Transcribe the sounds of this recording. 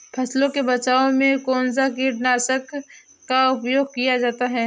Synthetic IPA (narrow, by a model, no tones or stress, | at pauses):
pʰɐslõkebɐt͡ʃaːõmẽkoːnzakiɾnaːsəkː | aʊpjoːɡ̚kijad͡ʒaːt̪aɦɛː